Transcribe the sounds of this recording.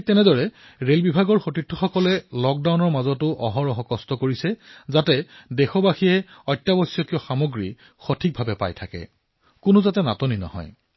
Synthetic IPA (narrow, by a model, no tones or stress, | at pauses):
tɛnɛdɔɹɛ | ɹelbibʱaɡɔɹxotitʰːɔ̥xɔkɔlɛlɔk̚dawnɔɹmazɔtʊʔɔɦɔɹɔɦɔkɔstɔkoɹisɛzatɛdɛxɔbaxijɛɔjtːabɔsjɔkiɔxamoɡɹi | xotʰik̚bʱabɛpa̰jtʰakɛ̰ | kʊnʊzatɛnatoninɔ̰hɔ̰j